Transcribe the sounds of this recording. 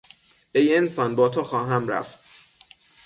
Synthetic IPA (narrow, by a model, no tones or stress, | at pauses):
ʔejensɒːnbɒːt̪ʰoxɒːɦæmɾæ̰ft̪